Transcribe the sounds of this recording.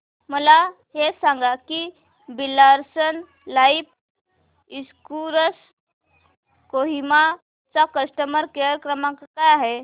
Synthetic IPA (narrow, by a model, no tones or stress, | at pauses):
məla | ɦesãŋɡaki | bilaɾsən | laip | iskuɾəs | koɦima | t͡sakəsʈəməɾkejəɾkɾəmãkakajaɦe